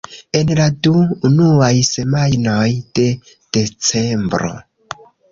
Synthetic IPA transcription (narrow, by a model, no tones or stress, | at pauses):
e̞nladuːnuajse̞majnojd̥e̞ | d̥e̞t͡se̞mbɾo̞̰